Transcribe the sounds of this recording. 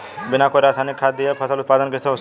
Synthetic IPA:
bɪnakoɾaːsaːnɪkʰːaːt̪̚d̪iepʰəsəlʊt̪̚paːd̪ənkeseɦo

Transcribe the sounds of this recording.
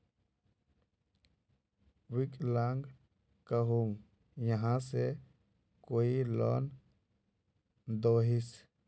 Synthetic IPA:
wɪklaŋɡ | kəɦuŋ | jəɦãse | koːilɔ̰ːn | d̪oːɦis

